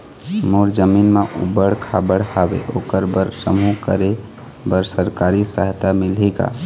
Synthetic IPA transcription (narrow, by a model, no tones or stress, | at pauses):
moɾd͡ʒəminmeʔṵbəɽkʰabəɽhabḛʔokəɾbəɾsəmukə̰ɾe | bəɾsəɾkaɾisəɦt̪amilɦika̰